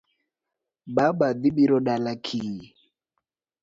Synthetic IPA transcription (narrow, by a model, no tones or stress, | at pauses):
baɓad̪iɓiɾɔɗalakʰi